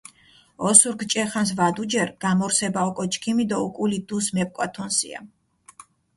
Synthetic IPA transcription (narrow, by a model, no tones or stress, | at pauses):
ɔsuɾkʰt͡ʃʼɛχans̬vad̪ud͡ʒɛɾɡ̥amɔɾsɛbaɔkʼɔt͡ʃʰʼkʰimid̪aukʼulid̪usmɛp̚kʼwat̪ʰɔnsḭa̰